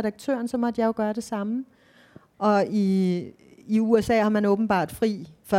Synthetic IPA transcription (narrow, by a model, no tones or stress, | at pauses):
ɛɾ̥ɑ̈ɡ̥̚t͡sʰø̰ːɐnsɒ̽mɒ̽d̥jɑ̈jo̝ɡ̥ɶːɐɾ̥e̝sɑ̈mə | ʔɒ̽iː | uesɛ̰ːhɑ̈mænɔ̽ːb̥n̩b̥ɑ̰̈ːd̥fʁḭːfɒ